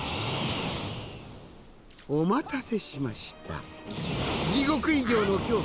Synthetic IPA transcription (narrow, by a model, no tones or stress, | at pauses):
omat̪ase̞ɕimaɕi̥t̪a̰ | d͡ʑiɡo̞kɯ̟iʑo̞ːno̞kʲo̞ː